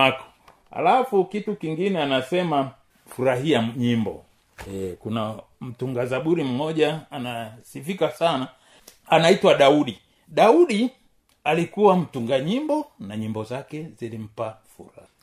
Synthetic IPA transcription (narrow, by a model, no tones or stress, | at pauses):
akɔ̥ | ha̰lafukitukiŋɡinɛanasɛma | fuɾaɦiaɲimbɔ̰ | ɛkunam̩tuŋɡazaɓuɾim̩mɔʄaːnasifikasana | anaitwaɗauɗi | ɗauɗi | alikuwam̩tuŋɡaɲimbɔnaɲimbɔzakɛzilim̩pafṵɾaha